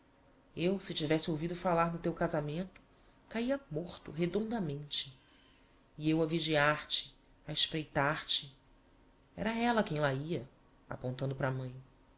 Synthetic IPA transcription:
ewsɪt͡ʃivɛsɪowvid̪ʊfalaɾnʊt̪ewkazamẽnt̪ʊ̥ | kaiɐmoχt̪ʊ̰ɦed̪õnd̪ɐmẽnt͡ʃɪ | iewɐviʒiaɾt͡ʃɪ̥ | aeʃpɾejt̪aɾt͡ʃɪ | ɛ̰ɾɐɛlɐkẽj̃laiɐ | a̰põnt̪ɐ̃nd̪ʊpɾamɐ̃j̃

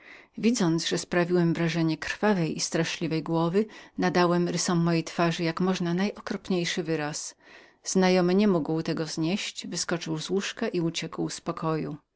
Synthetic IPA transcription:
vʲid̪zɔnt̪zʐɛspɾavʲiwɛmvɾaʐɛɲɛkɾfavɛjʔist̪ɾaʂlʲivɛjɡwɔvɘnad̪awɛmɾɘsɔmːɔjejt̪faʐɘjakmɔʐnanajʔɔkɾɔpɲejʂɘvɘɾas | z̥najɔmɘɲɛmuɡwt̪ɛɡɔzɲeɕt͡ɕvɘskɔt͡ʂɘwzwuʂkɛʔiut͡ɕɛkwspɔkʰɔju

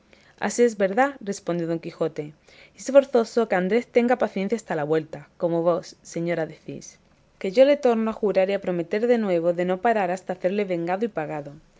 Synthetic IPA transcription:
a̰sie̞zβe̞ɾðare̞spond̪jo̞ð̞o̞ŋkixo̞t̪e | esfo̞ɾθo̞so̞keand̪ɾest̪e̞ŋɡapaθjen̟θjast̪alaβwe̞lt̪ako̞moβo̞sːe̞ɲo̞ɾaðe̞θḭs | ke̞ʝo̞le̞t̪o̞ɾnoaxuɾaɾiapɾo̞me̞t̪e̞ɾðe̞nwe̞β̞o̞ðe̞no̞paɾaɾast̪aːθe̞ɾle̞βe̞ŋɡaðoipaɣ̞aðo̞

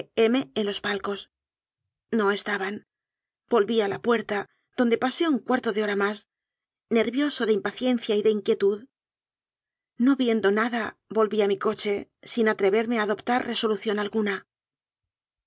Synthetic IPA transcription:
eme̞enlo̞z̥palko̞s | no̞e̞st̪aβan | b̥o̞lβialapwe̞ɾt̪a | ðo̞nd̪e̞pase̞uŋkwaɾt̪o̞ðeo̞ɾamas | ne̞ɾβjo̞so̞ðeimpaθje̞n̟θjaiðe̞iŋkje̞t̪uð | no̞βje̞nd̪o̞naðabo̞lβiamiko̞t͡ʃe̞sinat̪ɾe̞βe̞ɾme̞aːðo̞pt̪arre̞so̞luθjo̞nalɣuna

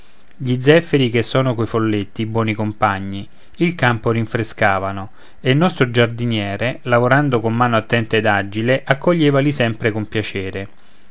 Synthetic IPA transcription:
ʎid̪zɛfːeɾik̟esːɔːnokojfolːet̪ːiːbwɔːnikompaɲːi | ilkampoɾiɱfɾeskaːvano | eilnːɔst̪ɾod͡ʒard̪injɛːɾelavoɾand̪okomːaːnoat̪ːɛnt̪ed̪ad͡ʒileʔakːoʎːeːvalisɛmpɾekompjat͡ʃɛːɾe

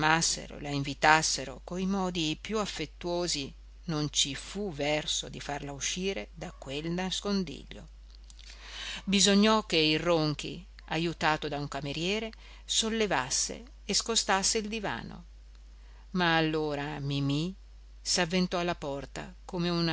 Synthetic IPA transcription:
masːḛɾo̰laiɱvit̪asːeɾo̰koimɔːd̪ipjuafːet̪ːuoːzi | nont͡ʃifuvɛrso̰d̪ifarlauʃːiːɾed̪akwelnaskond̪ḭʎːo̰ | bizoɲːɔkːeiroŋk̟ḭ | ajut̪aːt̪od̪auŋkameɾjɛːɾe | solːevasːḛː | skost̪asːeild̪iva̰ːno̰ | maːlːoːɾamimi | savːent̪ɔalːapɔrt̪a̰komeuna

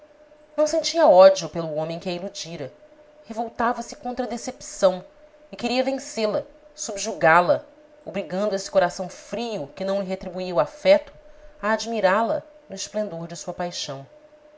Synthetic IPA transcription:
nɐ̃w̃sẽɲt͡ʃiɐɔd͡ʒiupelʊõmẽj̃kɪɛilud͡ʒiɾɐ | hevowt̪avɐsɪ̥kõnt̪ɾɐd̪esepsɐ̃w̃ | ɪkeɾiɐvẽselɐsubʒuɡalɐ | obɾiɡɐ̃nd̪ʊesɪ̥koɾasɐ̃w̃fɾiʊkɪnɐ̃w̃lɪɦet̪ɾibuiɐwafɛt̪ʊ̥ɐːd͡ʒmiɾalɐ | nʊɪʃplẽnd̪oɾd͡ʒɪsuɐpajʃɐ̃w̃

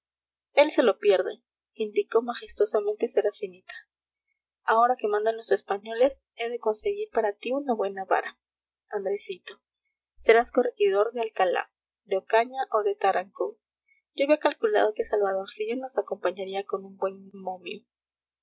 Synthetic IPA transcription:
e̞lse̞lopje̞ɾðe | ind̪iko̞maxe̞st̪o̞samẽ̞nt̪e̞seɾafinit̪ḁ | ao̞ɾake̞mãnd̪anlo̞se̞spaɲo̞le̞s | e̞ðe̞ko̞nse̞ɣiɾpaɾat̪iunaβwe̞naβa̰ɾa | and̪ɾesit̪o̞ | se̞ɾasko̞rexiðo̞ɾðe̞alkala̰ | d̪eokaɲaʔo̞ðe̞t̪aɾaŋko | ɟ͡ʝoaβjiakalkula̰ð̞o̞ke̞salβað̞o̞ɾsiʝo̞no̞sako̞mpaɲaɾiako̞numbwe̞nmomi

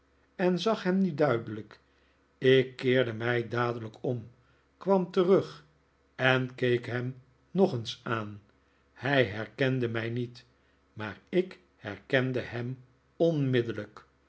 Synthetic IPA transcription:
ɛnzɑχɦɛmnidœɥdələk | ɪkːɪːɹdəmɛjdaːdələkɔm | kʋɑmtərɵχ | ɛnkejkɦɛm | nɔχənsaːn | hɛjɦɛɹkɛndəmɛjnit | maːɹɪk | hɛɹkɛndəhɛm | ɔnmɪdələk

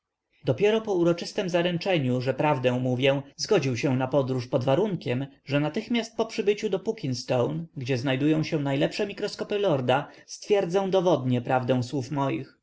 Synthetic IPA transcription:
d̪ɔpʲjɛɾɔpɔuɾɔt͡ʂɘst̪ɛmzaɾɛnt͡ʂɛɲuʐɛpɾavd̪ɛw̃muvʲjɛ̃zɡɔd͡ʑiwɕɛ̃napɔd̪ɾuʂpɔd̪vaɾuŋkʲɛmʐɛnat̪ɘxmʲjast̪̚pɔpʂɘbɘt͡ɕud̪ɔpukʲinst̪ɔwnɡd͡ʑɛznajd̪ujɔ̃w̃ɕɛw̃najlɛpʂɛmʲikɾɔskɔpɘlɔɾd̪ast̪fʲjɛɾd̪zɛ̃d̪ɔvɔd̪ɲɛpɾavd̪ɛ̃w̃swufmɔjḭx

